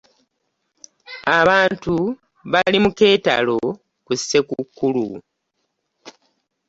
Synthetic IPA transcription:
aβaːntu | βalimuke̞ːta̰lo̞ | kusːe̞kukːulṵ

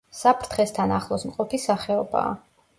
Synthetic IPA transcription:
sapʰɾt̪ʰχɛst̪ʰanaχlˠɔsmqʼɔpʰisaχɛɔba̰ː

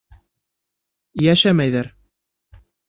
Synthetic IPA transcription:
jæʃæmæjðæɾ

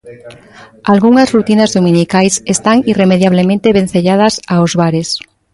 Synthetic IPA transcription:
alɣuŋazrut̪inazðomĩnikajsest̪aŋiremeðjaβ̞lemẽnt̪eβen̟θeʎað̞ɐsaozβaɾes

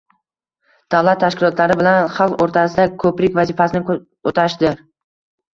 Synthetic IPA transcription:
d̪̥avlat̪ʰːaʃkʲɪlˠɒt̪laɾɪbɪlanχalˠqoɾt̪ʰasɪd̪akʰɵpɾɪkʲvazifasɪnɪ | ot̪ʰaʃɪd̪ɪɾ

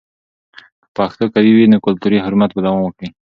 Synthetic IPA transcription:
əpɑxt̪okawiwinəkʊlt̪uɾiɦʊɾumat̪̚balawanwəkɽi

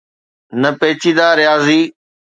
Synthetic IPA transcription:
nəpeːt͡ʃʰiːd̪aːɾjaːziː

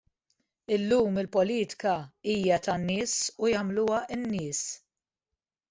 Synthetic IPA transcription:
ɪlːuːmɪlpɔliːt̪ɪ̥kɐiːjɐt̪ɐnːɪːsujɐmluwɐʔɪnːɪːs

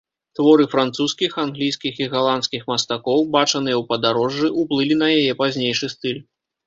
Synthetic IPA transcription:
t̪vɔɾɨfɾant̪suskʲixanɣlʲijskʲixiɣalˠantskʲixmɐst̪akɔwbat͡ʂɐnɨjɛwpɐd̪aɾɔʐːɨʔuplˠɨlʲinɐjajɛpazʲnʲejʂɨst̪ɨlʲ

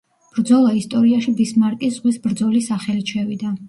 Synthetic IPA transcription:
b̥ɾd̪zɔlˠaist̪ʼɔɾiaʃib̪ismaɾt̪ʼiszʁwisbɾd̪zɔlisaχɛlit͡ʃʰɛvid̪a

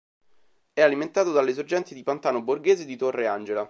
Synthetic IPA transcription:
ɛaliment̪aːt̪od̪alːes̬ord͡ʒɛnt̪id̪ipant̪aːnoborɡeːzed̪it̪orːeand͡ʒela

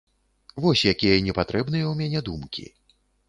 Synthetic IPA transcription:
vɔsʲjakʲijɐnʲɛpat̪ɾɛbnɨjɐwmʲanʲɛd̪umkʲḭ

